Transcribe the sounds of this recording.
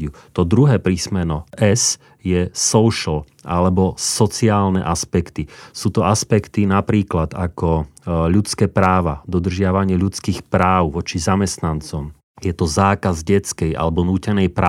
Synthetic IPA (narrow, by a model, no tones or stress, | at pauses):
ut̪ɔd̪ɾuɦɛːpɾismɛnɔʔɛs | jɛsɔʊʃl̩ | ʔa̰lɛbɔsɔt͡siaːlnɛ̰ʔaspɛkt̪isuːt̪ɔaspɛkt̪inapɾiːklad̪akɔʎut͡skɛːpɾaːʋad̪ɔd̪r̩ʒɪaʋaɲɪɛʎut͡skiːxpɾaːʊʋɔt͡ʃizamɛst̪nant͡sɔm | jɛt̪ɔzaːkazɟɛt͡skɛja̰lɛbɔnuːcɛnɛjpɾa